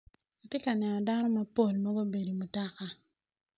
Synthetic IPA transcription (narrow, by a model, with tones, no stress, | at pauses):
a˨te˦ka˨nɛ˨nɔ˨da˦nɔ˦ma˦po˦˨lma˦bo˦be˨di˨mu˨ta˦ka˨